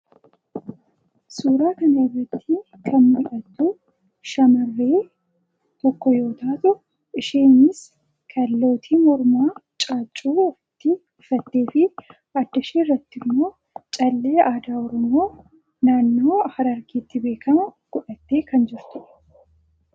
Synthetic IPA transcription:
suːɾaːkɐnɐɪrːɐt̪ːi | kʰɐnɪʔɐt̪ːu | ʃɐmɐrːeː | t̪ɔkːɔjo̞ːt̪aːt̪ʊ | ʔɪʃeːnɪs | kʰɐlːo̞ːt̪ʰiːmɔɾmaːt͡ʃʼaːt͡ʃʼːuːfɪt̪ːɪ | fɐt̪ːe̞ːfɪ | ɐd̪ːɐʃiːɪrːɐt̪ːɪmːo̞ː | t͡ʃʼɐlːeːaːd̪aːɔɾɔmo̞ː | naːnːo̞ːhɐɾɐɾkiːt̪ːɪbe̞ːkʰɐmɐɡ̥ɔᶑɐt̪ːe̞ːkɐnd͡ʒɪɾt̪ʊʔɛ̥

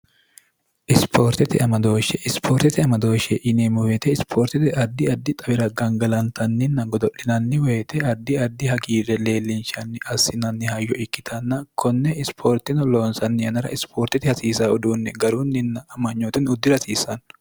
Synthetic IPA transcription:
ʔɪspʰoːɾt̪ɪt̪ɪɐmɐd̪o̞ːʃɛʔɪspʰoːɾt̪ɛt̪ɪɐmɐd̪o̞ːʃɛʔɪnɛmʊwet̪ɛɪspʰoːɾt̪ɪt̪ɪɐd̪ːɪɐd̪ːɪt̪ʼɐbɪɾɐɡɐŋɡɐlɐnt̪ʰɐnːɪnːɐɡɔd̪ɔʔɪnɐnːɪwɛːt̪ɛɐd̪ːɪɐd̪ːɪhɐkiːɾɛle̞ːlːɪnʃɐnːɪʔɐsːɪnɐnːɪhɐjːɔʔɪkːɪ̥t̪ʰɐnːɐkʰɔnːɛɪspʰoːɾt̪ɪnʊlo̞ːnsɐnːɪjɐnɐɾɐ̰ʔɪspʰoːɾt̪ɪt̪ɪhɐsiːsaːʊd̪uːnːɛɡɐɾunːɪnːɐːmɐɲːoːt̪ɪnʊd̪ːɪɾɐsiːsɐn

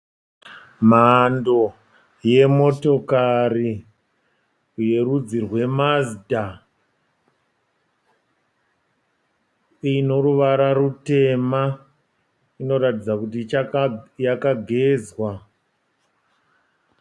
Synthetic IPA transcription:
mando̞ | je̞mo̞to̞kari | je̞rud͡zirwe̞mazda | ino̞ɾuʋaɾarute̞ma | ino̞ɾatid͡zakut̬it͡ʃajakaɡʱe̞ːzwa

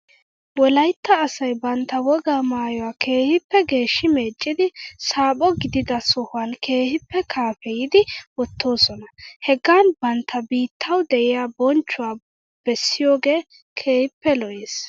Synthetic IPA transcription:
wɔlɐjt̪ːɐːsɐjbɐnt̪ːɐwɔɡaːmaːjɔwaːkʰe̞ːhɪpːɛɡe̞ːʃːɪme̞ːt͡ʃʼːɪd̪ɪsaːpʼɔɡɪd̪ɪd̪ɐsɔhʊankʰe̞ːhɪpːɛkʰaːfɛjɪd̪ɪwɔt̪ʰːo̞ːsɔnɐhɛɡaːnbɐnt̪ːɐbiːt̪ʰːɐwd̪ɛʔɪjaːbɔnt͡ʃːʊwaː | b̥ɛsːɪjo̞ːɡe̞ː | kʰe̞ːhɪpːɛlɔʔeːs

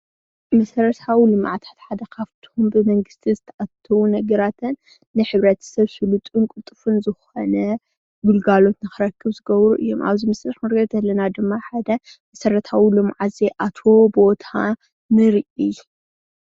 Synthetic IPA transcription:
mɐsɐɾɐt̪ʰawilɨm̰ʕt̪ʰḁt̪ħad̪ɐkʰaβt̪ʰombɨmɐŋɡɨst̪ʰizɨt̪ʰɐʔat̪ʰːɐwunɐɡɐɾat̪ʰɨnː | ɨħɨβɾɐt̪ʰsɐβsɨlut̪ʼuŋkʼɨt̪ʼːɨfɨnzɨxonɐ | ɡulɡalo̞t̪nɨxɨɾɐkʰːɨβzɨɡɐβɾuʔɨjːo̞̰mʔa̰βzimɐsɾɐħmɨɾɡɐd̪ɐlːɐnad̪ɨmːaħad̪ɐmɐsɐɾɐt̪ʰawilɨmʕazeʔat̪ʰo̞bo̞t̪ʰa | nɨɾiʔij

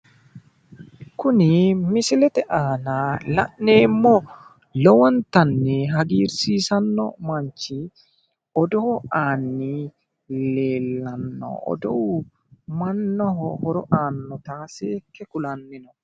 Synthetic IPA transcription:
kʊnɪmɪsɪlɛt̪ɛʔaːnalɐ̰ʔneːmːɔ | lɔwɔnt̪ɐnːɛɦɐɡiːɾsiːsɐnːɔ̰mɐɲt͡ʃɪ | ɔd̪ɔhɔaːnːi | leːlːɐnːɔ̰ɔ̰d̪ɔ̰w | mɐnːɔɦɔhɔɾɔʔaːnːɔt̪aːseːkːɛkʊlɐnːɪnɔ

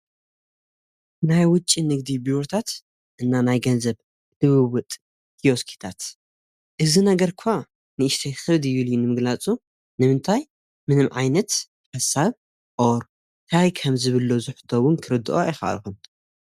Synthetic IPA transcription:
najwʊt͡ʃʼːinɨɡ̚d̪ibiɾot̪ʰat̪ | ʔɨnːanajɡɐnzɐβ | lɨβɨβʊt̪ʼ | hioskʰi̥t̪ʰat̪ | ʔɨzinɐɡɐɾkʰʊa | nɨɨʃt̪ʰexɨld̪ɨjːuljunɨmɨɡlat͡sʼu | nɨmɨnt̪ʰaj | mɨnɨmʕajnɐt̪ | ħɐsːaβ | ʔoɾ | t̪ʰajkʰɐmzɨβɨlːozɨħɨ̥t̪ʰːowʊnkʰɨɾɨd̪ːɨʔoɪxɐʔa̰lxun

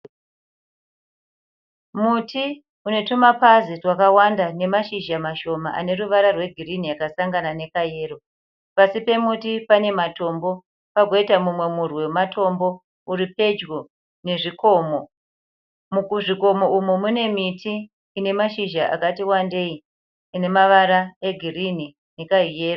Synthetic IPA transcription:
mutʰi | une̞tumapazitwakawandane̞maʃiʒamaʃo̞maʔa̰ne̞ruʋaɾarwe̞ɡʱiriniakasaŋɡanane̞kaje̞ːro | pasipe̞mutipane̞mato̞mbo̞ | paɡʱo̞itamumwe̞murwematʰo̞mbo̞ | uripe̞d͡ʒɡo | ne̞ʐikʰo̞ːmo̞ | mukuʐiko̞mo̞umumune̞mitʰiː | ne̞maʃiʒaʔa̰katiwande̞i | ine̞maʋaɾae̞ɡʱirini | ne̞kaije̞ːro

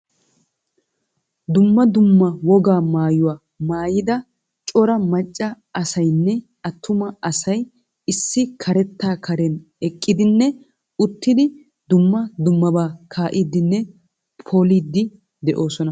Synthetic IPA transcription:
d̪ʊmːɐd̪ʊmːɐwɔɡaːmaːjʊwaː | maːjɪd̪ɐ | t͡ʃʼɔɾɐmɐt͡ʃʼːɐ | ɐsɐjnːɛ | ɐt̪ʰːʊmɐɐsɐj | ɪsːɪkʰɐɾɛt̪ːaːkʰɐɾɛn | ɛkʼːɪd̪ɪnːɛ | ʊt̪ːɪd̪ɪ | d̪ʊmːɐd̪ʊmːɐbaːkʰaːʔiːd̪ːɪnːɛ | pʰoliːd̪ːɪ | d̪ɛʔo̞ːsɔnɐ

